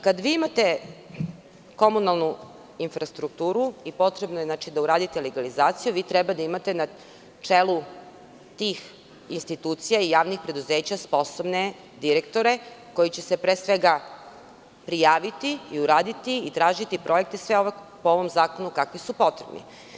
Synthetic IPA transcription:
kad̪ʋiːimat̪e̞ | ko̞munalˠnu | infɾast̪ɾukt̪uːɾuipo̞t̪ɾe̞bnojenaːt͡ʃid̪auɾaːd̪it̪eleɡalizaːt̪sijuʋiːt̪ɾɛbad̪aimat̪e̞na | t͡ʂeːlu | t̪iːx | inst̪it̪uːt̪sijaijaːʋnixpɾe̞d̪uzeːt͡ɕaspo̞sobne | d̪iɾekt̪o̞ɾe̞ko̞jit͡ɕe̞se̞pɾeːsʋeɡa | pɾijaːʋit̪iiuɾaːd̪it̪iːt̪ɾaːʒit̪ipɾʔo̞jek̚t̪esʋeoʋ | pooʋo̞mzaːko̞nukakʋisupo̞t̪ɾebnḭ

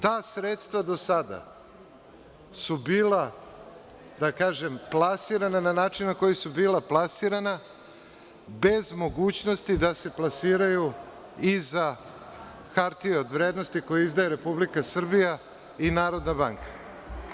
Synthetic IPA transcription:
t̪aːsɾet̪st̪ʋad̪o̞sad̪a̰ | subiːla | d̪akaːʒe̞mplˠasiɾanananaːt͡ʃinːako̞jisubiːlˠaplˠasiɾana | be̞zmo̞ɡuːt͡ɕno̞st̪id̪ase̞plˠasiːɾaju | iza | xaɾt̪ieo̞d̪ʋɾeːd̪no̞st̪iko̞jeizd̪ajeɾe̞publikasr̩bija | inaːɾo̞d̪nabaŋkḁ

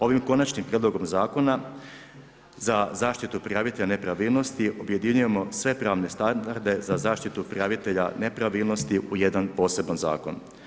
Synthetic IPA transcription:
o̞ʋimko̞nat͡ʃnimpɾjed̪loɡo̞mzaːko̞na | zazaːʃt̪it̪upɾiaʋit̪eʎane̞pɾaʋiːlˠno̞st̪iʔobje̞d̪iɲujemo̞sʋe̞pɾaːʋne̞st̪and̪aɾd̪e̞zazaːʃt̪it̪upɾiaʋit̪e̞ʎa̰ne̞pɾaʋiːlˠno̞st̪iʔuje̞d̪anpo̞ːse̞banza̰ːko̞̰n

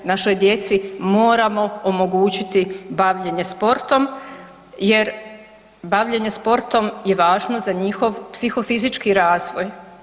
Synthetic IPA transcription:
naʃo̞jd̪je̞t̪simo̞ːɾamo̞omoɡuːt͡ɕit̪ibaʋʎeɲe̞spo̞ɾt̪o̞m | je̞ɾ | baʋʎeɲe̞spo̞ɾt̪o̞mje̞ʋaːʒnozaɲixo̞ʋpsixo̞fizit͡ʃkiɾaːzʋoj

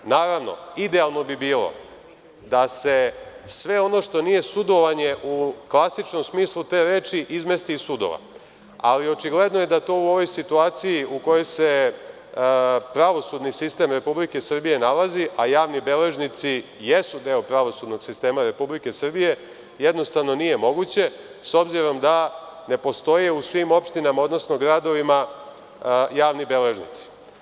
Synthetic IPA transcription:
naːɾaʋno̞̰id̪ealˠno̞bibiːlo̞̰ | d̪ase̞sʋe̞o̞no̞ʃt̪o̞nije̞sud̪o̞ʋaɲe̞ʔuklˠasit͡ʃno̞msmiːslˠut̪e̞ːɾe̞ːt͡ʃiʔizme̞st̪iːsud̪o̰ʋa̰ | alio̞t͡ʃiɡle̞d̪nojed̪at̪o̞uo̞ʋo̞jsit̪uaːt̪sijiuko̞jo̞jse̞ | pɾaʋo̞sud̪nisist̪e̞mɾe̞publike̞sr̩bije̞nalaziʔajaːʋnibe̞le̞ʒnit̪si | jesud̪e̞ːopɾaʋo̞sud̪no̞ɡ̥sist̪e̞ːmaɾe̞publike̞sr̩bije̞ | jed̪no̞st̪aʋno̞nije̞mo̞ɡut͡ɕe̞ | so̞bziɾo̞md̪a | ne̞po̞st̪o̞jeusʋimo̞pʃt̪inamao̞d̪no̞sno̞ɡɾad̪o̞ʋima | jaːʋnibe̞leʒnḭt̪si̥

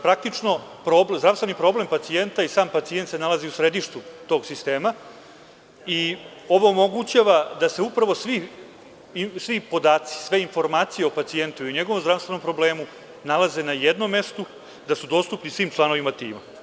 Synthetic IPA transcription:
pɾak̚t̪it͡ʂno̞pɾobzd̪ɾafsve̞nipɾo̞ble̞mpat̪sie̞nt̪aisaːmpat̪sie̞nt̪se̞nalaziusɾe̞d̪iʃt̪ut̪o̞ɡsist̪eːma | i | o̞ʋoːmo̞ɡut͡ɕaʋad̪ase̞upɾaʋo̞sʋi | sʋipo̞d̪aːt̪si̥sʋe̞info̞ɾmaːt̪sijeopat̪sie̞nt̪uiɲeɡo̞ʋomzd̪ɾast̪ʋe̞nompɾo̞ble̞ːmu | nalaze̞najed̪nomːe̞st̪u | d̪asud̪o̞ːst̪upnisʋiːmt͡ʃlˠano̞ʋimat̪iːma

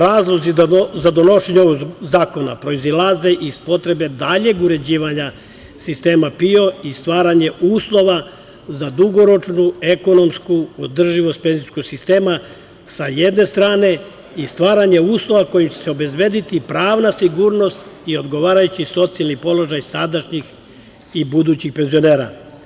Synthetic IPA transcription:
ɾaːzlˠo̞zizad̪o̞no̞ʃeɲeooɡzaːko̞na̰pɾo̞izilaze̞ʔispo̞t̪ɾe̞be̞d̪aʎe̞ɡuɾe̞d͡ʑiːʋaɲa | sist̪e̞ːmapio̞ist̪ʋaːɾaɲe̞uːslˠo̞ʋa | zad̪uɡo̞ɾo̞t͡ʃnue̞ko̞no̞mskuod̪r̩ʒiʋo̞st̪̚pe̞nziskoɡsist̪e̞ːma | sajed̪ne̞st̪ɾaːne̞ | ist̪ʋaːɾaɲe̞uːslˠo̞ʋako̞jimt͡ɕeseo̞be̞zʋe̞d̪it̪ipɾaːʋnasiɡuːɾno̞st̪io̞d̪ɡo̞ʋaːɾajut͡ɕiso̞t̪sialnipo̞lˠo̞ʒajsad̪aʃɲix | ibud̪uːt͡ɕixpe̞nzio̞neːɾa

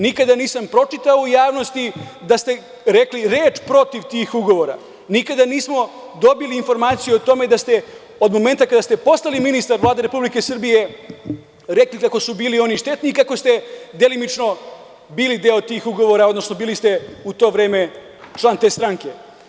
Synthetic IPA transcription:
nikad̪aniːsampɾo̞t͡ʃit̪aoujaːʋno̞st̪id̪ast̪e̞ | ɾe̞kliɾe̞ːt͡ʃpɾo̞t̪iʋt̪iːxuɡo̞ʋo̞ɾa̰ | nikad̪aniːsmo̞ | d̪o̞biliːnfo̞ɾmaːt̪sijuot̪o̞me̞d̪ast̪e̞ | o̞d̪mo̞me̞nt̪akad̪ast̪e̞po̞st̪aliminist̪aɾʋlˠaːd̪eɾe̞publike̞sr̩bije̞ | ɾe̞klikako̞subiːlio̞niʃt̪e̞t̪niːkakost̪e̞d̪e̞limit͡ʃno̞ | biːlid̪e̞ːot̪iːxuɡo̞ʋo̞ɾaod̪no̞sno̞biːlist̪e̞ut̪o̞ːʋɾe̞ːme̞ | t͡ʃlˠaːnt̪e̞st̪ɾaŋke̞

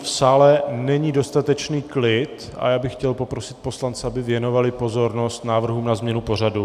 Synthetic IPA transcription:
fsaːlɛnɛɲido̞st̪at̪ɛt͡ʃniːklɪt̪ | a̰jaːbɪxːcɛlpo̞pɾo̞sɪ̥t̪̚po̞slant͡sɛabɪvjɛno̞valɪpo̞zo̞ɾno̞st̪naːvr̩ɦuːmnazmɲɛnupo̞radu

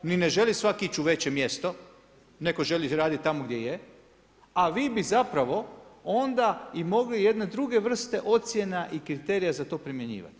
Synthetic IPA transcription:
nine̞ʒe̞lisʋakiit͡ɕuʋe̞t͡ɕe̞mje̞st̪o̞ | ne̞ko̞ʒe̞liɾaːd̪it̪̚t̪ːamoɡd̪jeje | aʋiːbizapɾaʋo̞o̞nd̪aimo̞ɡlije̞d̪ned̪ɾuɡe̞ʋr̩st̪e̞ʔo̞t̪sje̞naʔikɾit̪e̞ɾijazat̪o̞ːpɾimje̞ɲḭːʋa̰t̪i̥

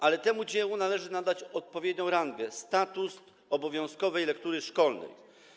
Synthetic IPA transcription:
alɛt̪ɛmud͡ʑɛwunalɛʐɘnad̪at͡ɕɔt̪̚pɔvʲjed̪ɲɔ̃w̃ɾanɡʲjɛst̪at̪us | ɔbɔvʲjɔ̃w̃skɔvɛjlɛkt̪uɾɘʂkɔlnɛ̰j

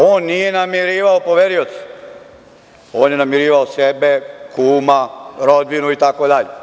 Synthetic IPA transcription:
oːnːije̞namiɾiːʋaopoʋeɾiot̪si̥ | oːnjenamiɾiːʋaosebekuːmaɾod̪ʋinuit̪akod̪aʎe

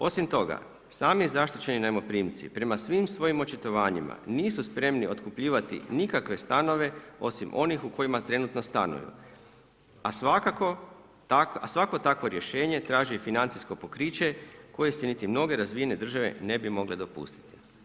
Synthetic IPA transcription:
o̞simt̪o̞ɡa̰ | saːmizaʃt̪it͡ɕe̞ninaemo̞pɾiːmt̪sḭpɾe̞masʋimsʋo̞jimo̞t͡ʃit̪o̞ʋaːɲḭma̰niːsuspɾe̞mnio̞t̪kupʎiːʋat̪ḭnikakʋe̞st̪ano̞ʋe̞o̞̰simʔo̞nixuko̞jimat̪ɾe̞nut̪no̞st̪anṵjṵ | asʋakako | akasʋako̞t̪akʋo̞ɾje̞ʃe̞ːɲe̞t̪ɾaːʒifinant̪sisko̞po̞kɾiːt͡ɕe̞ko̞je̞senit̪imno̞ɡe̞ɾazʋijene̞d̪r̩ʒaʋe̞̰ne̞bimo̞ɡled̪o̞pṵst̪i̥t̪i̥

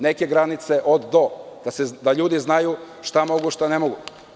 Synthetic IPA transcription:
ne̞ke̞ɡɾanit̪se̞ʔod̪d̪o̞d̪̥ased̪aʎuːd̪iznaju | ʃt̪amo̞ɡuʃt̪ane̞moɡu

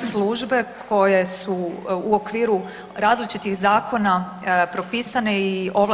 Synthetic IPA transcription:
sluʒbe̞kʰo̞je̞suːo̞kʋiːɾu | ɾaːzlit͡ʃit̪iɣzaːko̞na | pɾo̞piːsane̞io̞ʋl

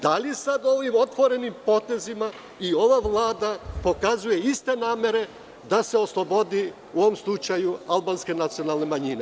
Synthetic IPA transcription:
d̪alisad̪o̞ʋimo̞t̪ʋo̞ɾe̞nimpo̞t̪e̞zima | io̞ʋaʋlˠaːd̪apo̞kazuje̞ist̪e̞naːme̞ɾe̞ | d̪ase̞o̞slˠo̞bo̞d̪i | uo̞ʋomslˠut͡ʃajualbanske̞nat̪sio̞nalˠne̞maɲine

